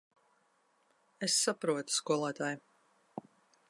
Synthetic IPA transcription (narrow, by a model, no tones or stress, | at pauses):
esːapɾuɔt̪u̥skuɔlˠaːt̪aːj